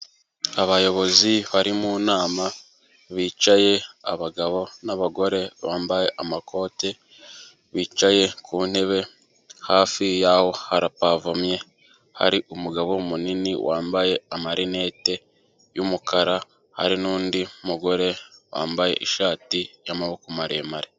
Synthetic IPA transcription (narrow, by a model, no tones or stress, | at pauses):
aβajo̞βo̞ziβaɾimunaːma | βiːt͡ʃaje̞aβaɡaβo̞naβaɡo̞ɾe̞βaːmbaje̞ʔamakʰo̞ːte̞ | βiːt͡ʃaje̞kʰuːn̥e̞βe̞ | haːfijaho̞haɾapavamje̞ | ha̰ɾiʔumuɡaβo̞muniniwaːmbaje̞amaɾine̞ːte̞ | jumukaɾa | ha̰ɾinuːndimuɡo̞ɾe̞wa̰ːmbaje̞̰ʔiʃaːtijamaβokumaɾeːmaɾe